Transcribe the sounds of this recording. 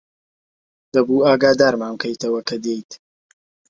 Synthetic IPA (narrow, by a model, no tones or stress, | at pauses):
d̪̥ɐbuːaːɡaːd̪aːɾmaːmkʰɐjt̪ɐwɐkʰɐd̪ejt̪